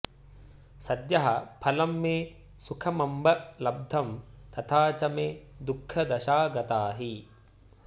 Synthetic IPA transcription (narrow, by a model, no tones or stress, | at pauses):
sɐd̪jɐɦɐpʰɐlɐmːeː | sukʰɐmɐmbɐlɐb̚d̪ʱɐmt̪ɐt̪ʰaːt͡ʃɐmeːd̪ukʰːɐd̪ɐʃaːɡɐt̪aːɦi